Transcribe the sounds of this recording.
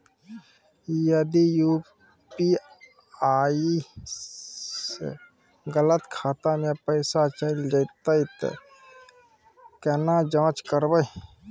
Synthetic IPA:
jəd̪ijuː | pi | a | ḛ | ɡələt̪kʰaːt̪amẽpəɪsat͡ʃəld͡ʒəɪt̪əit̪ | kənad͡ʒãːt͡ʃkəɾbəj

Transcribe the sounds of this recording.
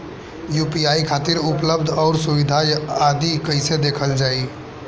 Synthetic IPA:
juːpiaːikʰaːt̪ɪɾʊpləbd̪ʱɔːɾsʊʋɪd̪ʱajaːd̪ikəised̪eːkʰəld͡ʒaːi

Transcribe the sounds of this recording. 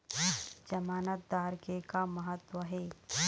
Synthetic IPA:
d͡ʒɐmaːnət̪̚d̪aːɾkekamɐɦət̪wəɦeː

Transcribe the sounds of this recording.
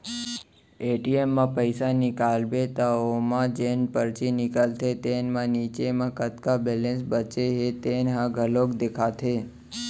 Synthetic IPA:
eʈiemːãpəjsanikalbet̪aomãd͡ʒenpəɾt͡ʃinɪkəlt̪ʰet̪enmãnit͡ʃemãkət̪kabɛlẽnsbət͡ʃeɦet̪enɦãɡʱəlokd̪ekʰat̪ʰe

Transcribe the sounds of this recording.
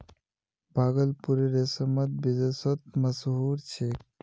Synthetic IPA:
bʱaɡəlpuɾeɾesəmət̪̚bid̪esɔt̪̚məsɦuɾt͡ʃʰe

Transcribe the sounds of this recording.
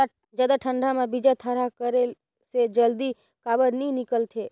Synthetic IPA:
d͡ʒad̪aʈʰəɳɖamãbid͡ʒat̪ʰəɾakəɾel | sed͡ʒəld̪i | kabəɽnĩnɪkəlt̪ʰe

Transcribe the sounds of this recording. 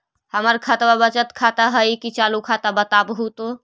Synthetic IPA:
həməɾkʰət̪wabət͡ʃət̪kʰat̪aɦəjkit͡ʃalukʰat̪abət̪abɦut̪o

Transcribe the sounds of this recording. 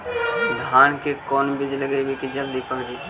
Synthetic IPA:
d̪ʱaːnkekɔːnbɪd͡ʒləɡebikid͡ʒɐld̪ipɐkd͡ʒiː

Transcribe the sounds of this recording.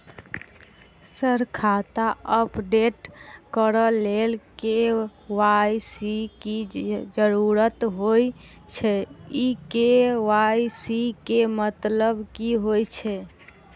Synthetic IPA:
səɾkʰat̪aəpɖeʈkəɾəlelkewajsikid͡ʒəɾuɾət̪ɦoj | t͡ʃʰɛikeʋajsikemət̪ləbkiɦojt͡ʃʰɛ

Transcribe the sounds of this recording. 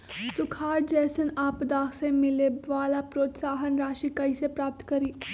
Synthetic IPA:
sʊkʰaːɾd͡ʒɛːsənaːpd̪aːksemɪleʋaːlapɾoːt̪saːɦənɾaːʃikɐisepɾaːp̚t̪kɐɾiː

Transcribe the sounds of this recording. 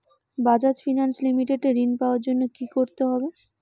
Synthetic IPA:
bad͡ʑad͡ʑfinanslimiʈeɖeɾinpaoaɾd͡ʑonːokikoɾt̪eɦɔbe

